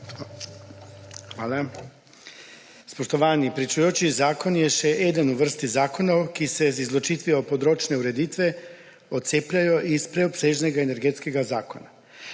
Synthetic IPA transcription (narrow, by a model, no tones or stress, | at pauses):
xʋaːla | spoʃt̪oʋaːnipɾit͡ʃujot͡ʃizaːkonjɛʃɛʔed̪anuʋr̩st̪izaːkonokisezizlot͡ʃiːt̪ʋiopod̪ɾoːt͡ʃneuɾe̞d̪iːt̪ʋe | ot̪seːpʎajoʔispɾeopseːʒneɡaeneɾɡet̪skeɡazaːkona